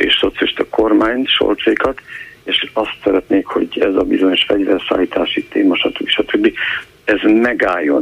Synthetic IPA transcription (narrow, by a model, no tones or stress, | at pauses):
ḛːʃso̞t̪sjliʃt̪ɒko̞rmaːɲʃo̞̰lt̪t͡ʃeikɒt̪eːʃɒst̪sɛɾɛt̪neːkho̞̰ɟɛzɒbizoɲoʃfɛɟvɛrsa̰ːliːt̪aːʃit̪eːmɒʃɒt̪ukiʃɒt̪ʰøbːi | ɛzmɛɡaːjːo̞̰n